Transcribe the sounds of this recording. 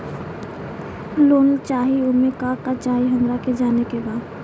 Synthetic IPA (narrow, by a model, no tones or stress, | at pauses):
loːnlt͡ʃaːɦiʊmekaːkat͡ʃaːɦiɦə̃ŋɡɾaked͡ʒaːnekebaːd̪